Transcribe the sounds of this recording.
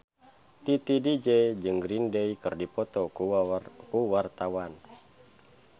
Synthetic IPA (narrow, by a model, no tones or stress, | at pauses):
t̪it̪idid͡ʒɛd͡ʒɨŋɡɾindeikɨrdipɔt̪ɔkukuwart̪awan